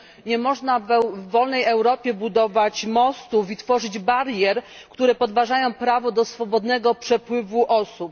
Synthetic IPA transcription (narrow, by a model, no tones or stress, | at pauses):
ɲɛmɔʐnavɛvːɔlnɛjɛwɾɔpʲjɛbud̪ɔvat͡ɕmɔst̪ufit̪fɔʐɘd͡ʑbaɾjɛɾ | kkt̪uɾɛpɔd̪vaʐajɔ̃w̃pɾavɔd̪ɔsfɔbɔd̪nɛɡɔpʂɛpwɘvuʔɔsup̚